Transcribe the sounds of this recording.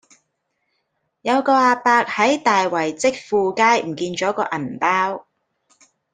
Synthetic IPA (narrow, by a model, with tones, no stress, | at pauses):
jɐ˨˧wkɔː˧aː˧paː˧k̚hɐ˨˥jt̪aː˨jwɐ˨˩jt͡sɪ˥k̚fuː˧kaː˥jm̩˨˩kiː˧nt͡ʃɔː˨˥kɔː˧ʔɐ˨˩npaː˥w